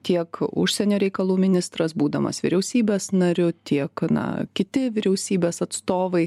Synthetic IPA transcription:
t̪ʲiɛkʊ̰ʃʲsʲɛnʲoːɾʲɛɪkɐlˠuːmʲɪnʲɪst̪ɾɐsbuːd̪ɐmɐ̰sʋʲɪ̰ɾʲɛʊsʲiːbʲeːsnɐɾʲʊt̪ʲiɛknɐ̰kʲɪt̪ʲɪʋʲɪɾʲɛʊsʲiːbʲeːsɐt̪st̪oːʋɐɪ

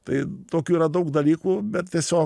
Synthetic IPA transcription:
t̪ɐɪt̪oːkʲuːiːɾɐd̪ɐʊkd̪ɐlʲiːkubʲɛt̪t̪ːʲeɛsʲoː

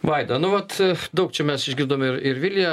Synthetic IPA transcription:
ʋɐɪd̪ɐnʊʋɐt̪d̪ɐʊk̚t͡ʃʲɛmʲɛsɪʒʲɡʲɪrd̪oːmɪɾɪɾʋʲilʲjɛ

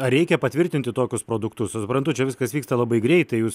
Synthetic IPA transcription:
ɐɾʲɛɪkʲɛpɐt̪ʲʋʲɪɾʲt̪ʲɪnʲt̪ʲɪt̪oːkʲʊspɾoːd̪ʊkt̪ʊssʊpɾɐnt̪ʊt͡ʃʲɛʋʲɪskɐsʋʲiːkst̪ɐlˠɐbɐɪɡɾʲɛɪtt̪ɐɪjuːs

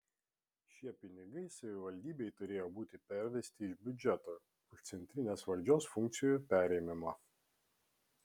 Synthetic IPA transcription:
ʃʲiɛpʲɪnʲɪɡɐɪsɐʋʲɪʋɐlʲd̪ʲiːbʲeɪt̪ʊɾʲeːjoːbuːt̪ʲɪpʲɛɾʲʋʲɛsʲt̪ʲɪɪʒbʲʊd͡ʒʲɛt̪oː | ɪʃt̪sʲɛnʲt̪ʲɾʲɪnʲeːsʋɐlʲd͡ʒʲoːsfʊŋk̪̚sʲɪjojpʲæːɾʲɛɪmʲɪmɐ

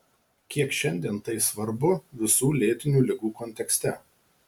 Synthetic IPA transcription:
kʲiɛkʃʲɛnʲd̪ʲiɛnt̪ɐɪsʋɐɾbʊʋʲɪsuːlʲeːt̪ʲɪnʲuːlʲɪɡuːkɔnʲt̪ʲɛksʲt̪ʲɛ

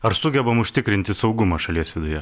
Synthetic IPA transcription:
ɐɾsʊɡʲɛbɐmʊʃʲt̪ʲɪkɾʲɪnʲt̪ʲɪsɒʊɡʊmɐʃɐlʲiɛsʋʲɪd̪ʊjɛ

